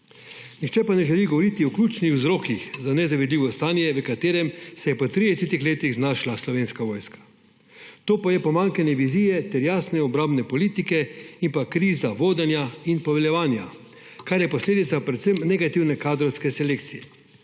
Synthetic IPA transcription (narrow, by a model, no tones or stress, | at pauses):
nixt͡ʃɛpanɛʒɛliɡɔʋɔɾit̪iɔklʲuːt͡ʃnixwzɾoːkixzanɛzaʋid̪liːʋɔst̪aːnjɛʋəkat̪eːɾɛmsɛjɛpɔt̪ɾid̪ɛset̪ixleːt̪iɣznaːʃlaslɔʋeːnskaʋoːjskḁ | t̪oːpajɛpɔmaŋkanɛʋiziːjɛt̪ɛɾjaːsnɛɔbɾaːmbnɛpɔliːt̪ikɛimpakɾiːzaʋoːd̪ɛnjainpɔʋɛljɛʋaːnja̰ | kaɾjɛpɔsleːd̪it̪sapɾɛt̪səmnɛɡat̪iwnɛkaːd̪ɾɔwskɛsɛleːkt̪sijɛ